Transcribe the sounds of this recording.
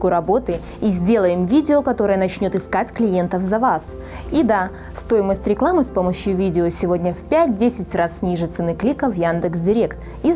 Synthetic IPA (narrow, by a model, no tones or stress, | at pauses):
kʊɾɐbo̞t̪ɨ | izʲdʲe̞lˠəjɪmvʲidʲɪokɐt̪o̞ɾəjənɐt͡ɕnʲo̞t̪ɨskatʲklʲɪje̞nt̪əfzɐvas | id̪a | st̪o̞jɪməsʲtʲɾʲɪklˠamɨspo̞məɕjʊvʲidʲɪosʲɪvo̞dʲnʲəfpʲæt̚ʲdʲesʲɪtʲrassʲnʲiʐɨt̪sənɨklʲikəvjand̪ɨksdʲɪɾʲe̞kt̪ | i